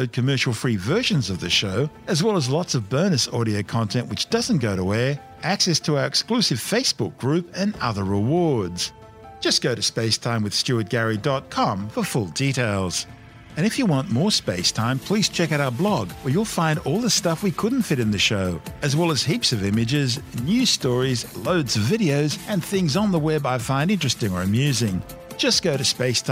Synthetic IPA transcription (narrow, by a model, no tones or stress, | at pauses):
d̚kʰɨmɜ˞ʃl̩ˠfɹivɜ˞ʃɨ̃nzʌvðɨʃoʊ | ɨzwɛlˠəzlɑtsʌvbɜ̃˞nɨsɔɾioʊkʰɑ̃ntʰɛ̃nʔwɨt͡ʃd̥ʌz̃nɡ̥oʊɾəwɛ˞ | ʔæksɛstʰəaʊə˞ɨksklʉsɨv̥feɪsb̥ʊk̚ɡ̥ɹʉpɨ̃nʌ̰ðə˞ɹɪwɔɹdz̥ | d̥ʒ̥ʌsɡ̥oʊɾɨspeɪstʰãɪ̃mwɨð̥stʉət̚ɡ̥æɹidɑt̚kʰɑ̃mfə˞fʊlˠdiɾeɪlˠz̥ | ɨ̃ɾ̃ɨfjɨwɑ̃nmɔɹspeɪstʰãɪ̃mpʰl̥iz̥t͡ʃʰɛkaʊɾaʊə˞blɔɡwə˞jəlˠfãɪ̃ndɔlˠðəstʌfwikʰʊdⁿn̩tfɪɾɨ̃nðɨʃoʊɨzwɛlˠəz̥hipsʌvɪ̃mɨd͡ʒɪznjʉz̥stɔɹizloʊdzʌvɪɾioʊzɨ̃nθɪ̃ŋzn̩ðəwɛbaɪfãɪ̃nɪ̃nt͡ʃɹ̥ɨstɪ̃ŋə˞ɨmjʉzɪ̃ŋ̥ | d͡ʒ̥ʌsɡ̥oʊɾɨspeɪstʰ